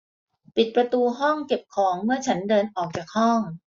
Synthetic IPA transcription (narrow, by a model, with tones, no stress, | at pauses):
pi˨˩t̪̚pɾa˧t̪uː˧ɦɔ˥˩ŋke˨˩p̚kʰɔː˩˦ŋmɯ˥˩ɐt͡ɕʰa˦˥ndɤː˧nʔɔː˨˩k̚t͡ɕaː˨˩k̚hɔ˥˩ŋ